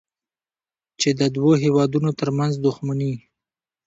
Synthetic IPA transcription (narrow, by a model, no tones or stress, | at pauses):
t͡ʃed̪əd̪woɦewɑd̪unot̪əɾmanzd̪ʊxmani